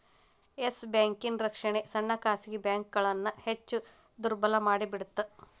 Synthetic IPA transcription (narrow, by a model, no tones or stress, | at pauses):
esbjaːŋkinɾɐkʂɐɳesɐɳːɐkaːsiɡebjaːŋk̚ɡɐɭɐnːɐhet͡ʃːu | d̪uɾbɐlɐmaːɽibiɽut̪ːɐ